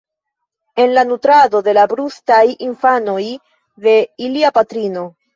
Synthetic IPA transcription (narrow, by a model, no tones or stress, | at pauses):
e̞nlanutɾado̞de̞labɾustajinfano̞j | ðe̞iliapatɾino̞